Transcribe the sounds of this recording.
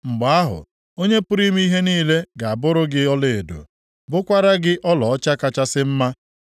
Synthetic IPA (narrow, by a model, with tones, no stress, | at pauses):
ŋ͡m̩˨ɡ͡ba˨a˦ɦʊ̰˨ | o˦ɲe˦pʊ˦ɾi˦m˦i˦ɦe˦niː˦le˦ɡa˨a˨bʊ˦ɾʊ˦ɡɪ˦ɔ˦le˨e˨do̰˨ | bʊ˦kʷa˦ɾa˦ɡɪ˦ʔɔ˦lɔ˨ɔ˦t͡ʃa˦ka˦t͡ʃa˦sɪ˦m̩˦ma˦